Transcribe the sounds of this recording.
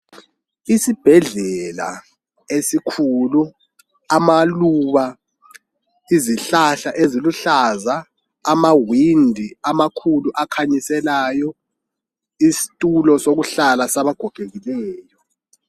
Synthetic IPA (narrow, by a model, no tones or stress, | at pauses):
isib̥ʱɛɮɛla̰ | esikʰulu | amaluβa | iziɬaɬaʔeziluɬazaː | mawindʱiamakʰuluʔakʰaɲisɛlajɔ | isi̥tʼulɔsoɣuɬalasaβaɡ̥ʱɔɡ̥ʱeɣilɛːjɔ